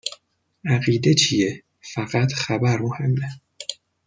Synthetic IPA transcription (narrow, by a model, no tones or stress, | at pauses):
æɢiːd̪e̞t͡ʃʰije | fæɢæt̪ʰχæbæɾmohe̞mːe